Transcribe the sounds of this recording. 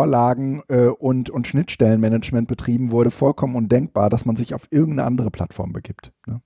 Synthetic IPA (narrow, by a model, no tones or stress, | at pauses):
ɐlaːɡŋ̩ʔɛːʔʊntʊntʃnɪtʃtɛlənmɛnət͡ʃmɛnt̚b̥ətʁ̥iːbm̩vʊɐɾəfɔlkʰɔmənʊndɛŋk̚b̥aːɐdasmanzɪçaʊfʔɪɐɡŋ̩tnə̰ʔa̰ndəʁ̞əpʰl̥a̰tfɔ̰ɐmbəɡiːptnə